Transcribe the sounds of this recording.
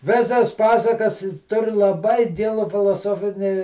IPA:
ˈʋʲeːsɐs ˈpɑːsɐkɐs ˈtʊr lˠɐˈbɐɪ ˈɡʲɪlˠʊ fʲɪlˠoːˈsoːfʲɪnʲiː

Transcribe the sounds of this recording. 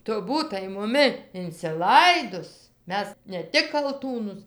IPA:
ˈtʊ ˈbuːtɐɪ mʊˈmʲɪ ɪnʲt͡sʲɪˈlˠɐɪdʊs ˈmʲɛs nʲɛ ˈtʲɪk kɐlˠˈtuːnʊs

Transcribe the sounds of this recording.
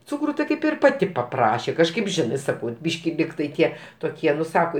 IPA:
ˈt͡sʊkrʊ tʲɪ ˈkɐɪp ɪr ˈpɑːtʲɪ pɐˈprɑːʃʲeː kɐʃˈkɐɪp ˈʒʲɪnɜ ˈsɑːkɐʊ ˈbʲiːʃʲkʲɪ ˈlʲiːktɐɪ ˈtʲiɛ toːˈkʲiɛ ˈnʊ ˈsɑːkoː

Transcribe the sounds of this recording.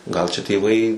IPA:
ɡɐlˠ t͡ʃʲɛ tʲeːˈʋɐɪ

